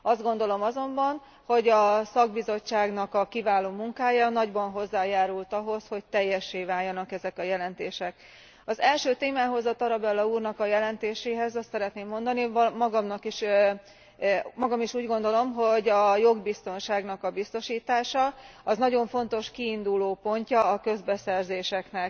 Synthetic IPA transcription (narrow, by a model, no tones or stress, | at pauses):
ɒzd̪ɡo̞nd̪o̞lo̞mɒzo̞mbɒn | ho̞ɟɒsɒɡ̚bizo̞t͡ʃːaːɡnɒkɒkivaːloːmuŋkaːjɒnɒɟbɒnɦo̞zːaːjaːɾult̪ɒɦo̞sho̞ct̪ɛjːɛʃːeːvaːljɒnɒkɛzɛkɒjɛlɛnt̪eːʃɛk | ɒzɛlʃøːt̪eːmaːɦo̞zɒt̪ɒɾɒbɛlːɒuːrnɒkɒjɛlɛnt̪eːʃeːɦɛzɒst̪sɛɾɛt̪neːmːo̞nd̪ɒnimɒɡɒmnɒkiʃ | mɒɡɒmiʃuːɟɡo̞nd̪o̞lo̞mɦo̞ɟɒjo̞ɡbist̪o̞nʃaːɡnɒkɒbist̪o̞ʃiːt̪aːʃɒɒznɒɟo̞ɱfo̞nt̪o̞ʃkiːnd̪uloːpo̞ɲcɒːkø̞zbɛsɛrzeːʃɛknɛk